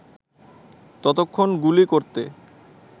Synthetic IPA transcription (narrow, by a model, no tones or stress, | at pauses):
t̪ɔt̪okʰːonɡulikoɾt̪e